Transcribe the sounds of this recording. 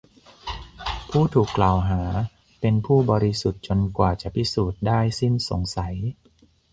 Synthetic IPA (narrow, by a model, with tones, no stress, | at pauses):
pʰuː˥˩t̪ʰuː˨˩kːlaː˨˩wɦaː˩˦ | pe˧npʰuː˥˩bɔː˧ɾi˦˥su˨˩t̪̚t͡ɕo˧nkwaː˨˩t͡ɕa˨˩pʰi˦˥suː˨˩t̪̚daː˥˩jsi˥˩nso˨˩˦ŋsa˩˦j